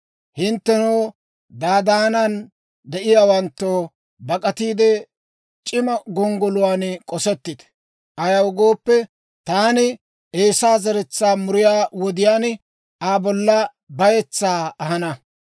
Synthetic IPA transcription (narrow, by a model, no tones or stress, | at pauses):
hɪnt̪ːɛnɔː | d̪aːd̪aːnan | d̪ɛʔɪjaːwɐnt̪ːoː | bɐkʼɐt̪iːd̪ɛ | t͡ʃʼɪmɐɡɔŋɡɔlʊwaːnkʼɔsɛt̪ːɪd̪ | ʔɐjɐwɡo̞ːpːɛ | t̪aːnɪ | ʔeːsaːzɐɾɛt͡sːaːmʊɾɪjaːwɔd̪ɪjaːn | aːbɔlːɐ | bɐjɛt͡sːaːɐɦɐnɐ